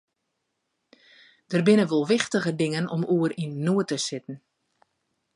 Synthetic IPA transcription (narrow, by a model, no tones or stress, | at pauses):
d̥ərbɪnəʋolˠʋɪxtəɣədɪŋənɔmuərinːuətəsɪtn̩